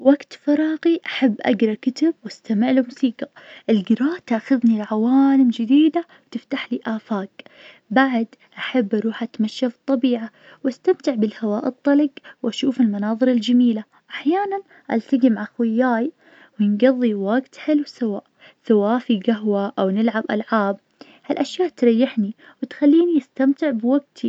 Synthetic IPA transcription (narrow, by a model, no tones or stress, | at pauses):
waɡt̪fɑɾˤɑːqiʔaħabːʔa̰ɡɾˤɑkɪt̪abwast̪amɪʕlumʊsiːqaʔɪlɡɪɾɑːʔt̪axʊðnilʕawaːlɪmd͡ʒɪd̪iːd̪awt̪ɪft̪aħliʔaːfaːk | baʕd̪ʔaħabːʔɑɾˤuːħʔat̪maʃːafɨt̪ˤːɑbiːʕa | wʔast̪amt̪ɪʕbɪlhawaːʔɨt̪ˤːɑlɪɡwʔaʃuːfɪlmanɑːðˤɨɾɪld͡ʒamiːla | ʔaħjaːnan | ʔa̰lt̪aɡimaʕaxwɪjːaːj | wjɪnɡɑðˤːiwaɡt̪ħɪlwsawa̰ːʔ | sawaːʔfiɡaɦwaʔawnɪlʕabʔa̰lʕaːb̚ | halʔaʃjaːʔt̪ɾˤɑjːɪħniwɪt̪xalːiːniʔast̪amt̪ɪʕbwaɡt̪ʰi